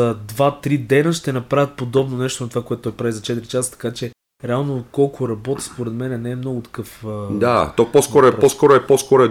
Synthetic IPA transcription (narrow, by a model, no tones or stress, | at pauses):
ɐd̪vat̪ɾid̪ɛnəʃt̪ɛnɐpɾavʲət̪̚pod̪ɔbnonɛʃt̪onɐt̪ovakoɛt̪ʊt̪ɔjpɾavizɐt͡ʃɛt̪ɾit͡ʃast̪ɐ̥kat͡ʃɛ | ɾɛalˠnokɔlˠkʰʊɾɐbɔt̪spoɾɛd̪mɛnɛnɛːmnɔɡʊt̪ɐ̥kɤfd̪at̪ɔpɔskɔɾoɛpɔskɔɾʊɛpɔskɔɾoɛ